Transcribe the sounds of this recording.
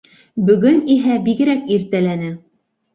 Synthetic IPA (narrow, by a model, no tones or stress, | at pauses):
bɵ̆ɡɵniɦæbiɡɘ̆ɾækiɾt̪ælænɘ